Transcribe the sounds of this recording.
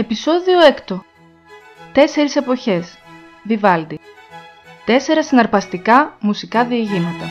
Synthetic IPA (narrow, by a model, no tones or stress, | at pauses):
e̞piso̞ðio̞e̞kt̪o̞ | t̪e̞se̞ɾise̞po̞çe̞s | vivɐld̪i | t̪e̞se̞ɾɐsinɐɾpɐst̪ikɐmusikɐðieʝimɐt̪ɐ